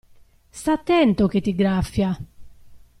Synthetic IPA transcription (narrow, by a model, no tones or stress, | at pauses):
st̪at̪ːɛnt̪oket̪ːiɡɾafːja